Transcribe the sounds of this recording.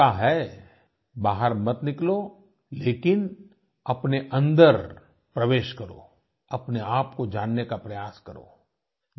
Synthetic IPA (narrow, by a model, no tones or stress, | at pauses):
aɦɛ | baːɦəɾmɐt̪nɪklo | leːkɪn | ɐpneʔɐ̃nd̪əɾ | pɾɐʋeːʃkɐɾo̰ː | ɐpneaːpkod͡ʒaːnːekapɾɐjaːskɐɾo̰ː